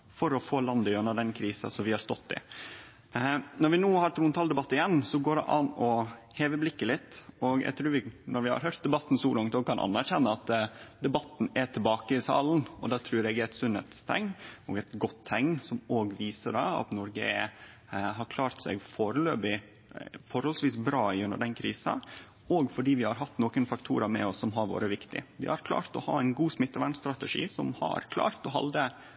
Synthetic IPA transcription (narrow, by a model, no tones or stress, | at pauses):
fɔɾɔfoːlɑnd̪əœnːəɖ̪ɛnkʰɾiːsɑ̰sɔmʋɪhɑɾst̪ɔt̪ːɪ̰ | nɔɾʋɪnuːhɑɾt̪ʰɾuːənt̪ʰɑld̪ɛbɑt̪ːɪjɛnːsɔɡoːɖɛ̰ʔɑnɔheːʋəblɪkːəlɪt̪ːɔɡæ̰ɪɡt̪ʰɾʉːɾʋɪnɔɾʋɪhɑ̰ɾɦøːɾt̪̚d̪ɛbɑt̪ːn̩suːlɑŋt̪ɔkʰɑnʔɑ̰nːæɾçɛnːəɑt̪d̪ɛbɑt̪ːn̩ɛt̪ʰɪlbɑːkəɪsɑ̰ːln̩ɔ̰d̪ɑːt̪ʰɾʉːɾɛɡææt̪sʉnɛ̰t̪st̪ʰɛ̰ŋːɔ̰ːɡɛt̪ɡɔt̪ʰːɛŋnsɔmoːɡʋiːsəɖɑɑ̰t̪nɔɾɡəɛ | ɦɑɾkʰlɑːɾt̪sɛ̰ɡfoːɾəløːbɪ | fɔɾhɔlsʋiːsbɾɑːʉnə̰ɖɛnkʰɾiːsɑ̰ | oːɡfɔɖiːʋɪhɑɾɦɑt̪noːkənfɑkt̪ʰṵːɾɑmɛ̰ɔsːɔmɦɑɾʋo̰ːɾəʋɪkt̪ɪ̰ʋɪ̰hɑɾkʰlɑ̰ːɾt̪ɔhɑːæɪnɡuːsmɪt̪ːəʋæɳst̪ɾɑt̪əʂḭːsɔmhɑ̰ɾkʰlɑ̰ːɾt̪ɔɦɑ̰ld̪ə